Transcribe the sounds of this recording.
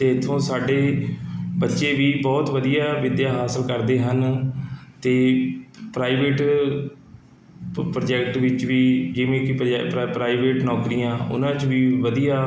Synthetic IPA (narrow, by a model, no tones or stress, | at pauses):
t̪eːɪt̪ʰːõːsaːɖeː | bətːʃeːʋiːbɔːt̪ʋəd̪ijaːʋɪd̪jaːɦaːsəlkəɾd̪eːɦən | t̪eːpɾaːɪʋeːʈ | pɾoːd͡ʒɛkʈʋɪt͡ʃʋiːd͡ʒɪʋẽːkɪpɾaːɪʋeːʈnɔːkɾijãːʊ̰nãːt͡ʃʋiːʋəd̪ijaː